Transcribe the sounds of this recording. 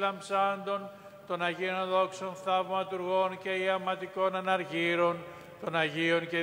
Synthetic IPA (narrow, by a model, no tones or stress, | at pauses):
lɐmbsɐnd̪o̞n | t̪o̞nɐʝionðo̞kso̞nθɐvmɐt̪uɾɣo̞nce̞iɐmɐt̪iko̞nɐnɐɾʝiɾo̞n | t̪o̞nɐʝio̞nce